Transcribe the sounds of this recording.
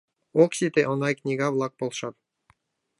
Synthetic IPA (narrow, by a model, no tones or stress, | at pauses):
oksʲit̪eʔŏnɑjknʲiɡɑblˠɑk̚bolˠʃɑt̪